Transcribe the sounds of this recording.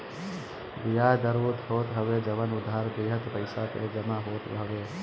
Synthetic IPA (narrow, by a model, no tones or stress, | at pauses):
bɪjaːd̪əɾuːt̪ɦoːt̪ɦəʋed͡ʒəʋənʊd̪ːaɾd̪eːɦət̪pəɪsapḛd͡ʒəmaɦoːt̪əʋeː